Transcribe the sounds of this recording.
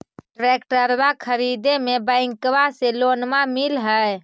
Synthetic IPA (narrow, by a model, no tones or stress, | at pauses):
ʈɾekʈəɾbakʰəɾid̪emebəɪ̃ŋkwaselonmamilɦəj